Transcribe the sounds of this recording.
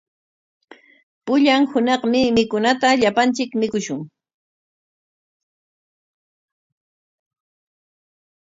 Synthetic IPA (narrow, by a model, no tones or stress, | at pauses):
pʊʎaŋhʊnɑχmɪmɪkʊnat̪aʎapant͡ʃɪkmɪkʊʃʊŋ